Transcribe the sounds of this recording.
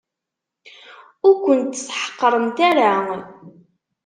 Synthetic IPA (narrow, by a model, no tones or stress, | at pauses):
ʊɾkʷənt̪ːsħə̥qːəɾˤənt̪aɾa